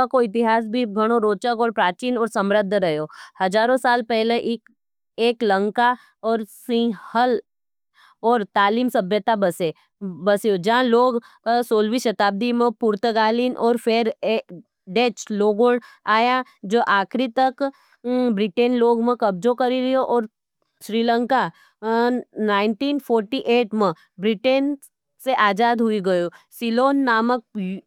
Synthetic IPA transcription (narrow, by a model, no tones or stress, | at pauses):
akoɪt̪ɪɦaːs̬bʱiɡʱɐɽ̃oɾoːt͡ʃəɡoːlpɾaːt͡ʃiːnɔːɾsɐmɾəd̪ʱːɾɐɦjoːhɐd͡ʒaːɾõsaːlpɛɦleʔɪk | eːklə̃ŋka | ɔːɾsɪ̃həl | ɔːɾt̪aːliːmsɐbʱjət̪abɐse | bɐsjod͡ʒɐãloːɡ | soːlʋiʃɐt̪aːb̚d̪imẽpʊɾt̪əɡaːliːnʔɔːɾfʰeːɾ | ɖeːt͡ʃloːɡoɽaːja | d͡ʒoːʔaːkʰɾit̪ɐk | bɾɪʈeːnloːɡmẽkɐbd͡ʒokɐɾiɾijoʔɔːɾ | ʃɾiːlə̃ŋka | naːɪɳʈiːnpʰoːɾʈiʔeːʈmẽ | bɾɪʈeːn | seʔaːd͡ʒaːd̪ɦʊiɡɐjosiloːnːaːmək̚